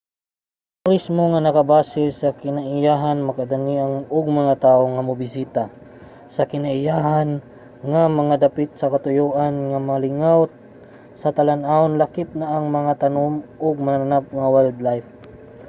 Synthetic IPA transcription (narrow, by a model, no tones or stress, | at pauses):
t̪ʊɾɪsmoŋanɐkɐbaːsɪlsɐkɪnaʔɪjaːɦanmɐkɐd̪aniʔaŋoɡ̚mɐŋat̪aːʔoŋɐmʊbɪsiːt̪a | sɐkɪnaʔɪjaːɦan | ŋamɐŋad̪ɐpɪt̪̚sɐkɐt̪ʊjoːʔanŋamɐlɪŋawt̪ | sɐt̪ɐlanʔaʊnlɐkɪp̪̚nɐʔːŋmɐŋat̪ɐnomʔoɡ̚mɐnnanap̚ŋɐwɛld̪lajf